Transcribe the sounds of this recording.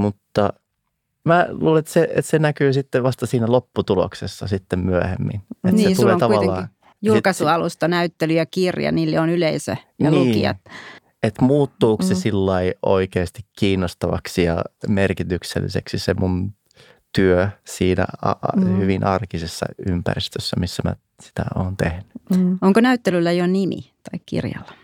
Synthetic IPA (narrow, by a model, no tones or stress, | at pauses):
mut̪ːɑ | mæluːleet̪seḛt̪senækyːsit̪ːeʋʋɑst̪ɑsiːnælopːut̪ulo̰ksesːɑsit̪ːemmyæhḛmːḭnetniset̪uleːŋt̪ɑuʋɑlːɑː | jullkɑsuɑlust̪ɑnæyt̪ːelyjɑkirjɑ̰niːlːeonyleisø̰jnɑnlliuːkḭɑ̰t̪ | et̪muːt̪ːuːkssesilːɑio̰ikeːst̪ikːiːnːost̪ɑʋɑ̰ksijɑ̰merkit̪yksḛlːḭsḛksisemun | t̪yøsiːnæ̰ɑhyʋinʔɑrkisesːɑ̰ympæ̰rist̪øsːæmisːæmæ̰ | si̥t̪æ̰oːnt̪ehny̥oŋkonæyt̪ːelylːæjonimḭt̪ɑikkḭrjɑ̰lːɑ̥